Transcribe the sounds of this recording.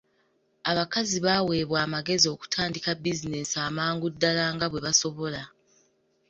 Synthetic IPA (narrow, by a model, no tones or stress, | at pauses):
aβakaziβawe̞ːβwaːmaɡe̞zio̞ku̥tʰaːndikabizine̞saːmaːŋɡudːalaːŋɡaβwe̞βaso̞βo̞la